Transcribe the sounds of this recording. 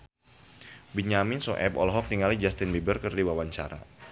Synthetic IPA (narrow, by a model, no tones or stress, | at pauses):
biɲamɪnsoʔɛpɔ̰lɔɦɔk̚niŋalid͡ʒast̪inbibərkərdiwawaɲt͡ʃa̰ɾa̰